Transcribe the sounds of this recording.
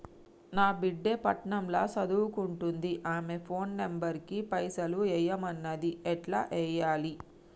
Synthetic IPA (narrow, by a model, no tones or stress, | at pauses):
naːbiɖːepɐʈɳɐmlaːsɐd̪uwukuɳʈund̪iʔaːme̞pʰo̞ːnːembɐɾkipɐjsɐluɛːjɐmɐnːɐd̪iɛʈla̰ːʔɛːjaːli